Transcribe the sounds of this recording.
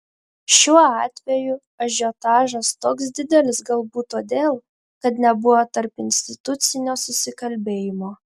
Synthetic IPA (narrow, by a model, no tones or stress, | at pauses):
ʃʲuɔɑːt̪ʲʋʲɛjʊ | ɐʒʲoːt̪ɑːʒɐst̪oːks̬d̪ʲɪd̪ʲɛlʲɪsɡɐlˠbuːt̪oːd̪ʲeːlˠ | kɐt̪nʲɛbʊʋoːt̪ɐɾpɪnʲsʲt̪ʲɪt̪ʊt̪sʲɪnʲoːsʊsʲɪkɐlʲbʲeːjɪmoː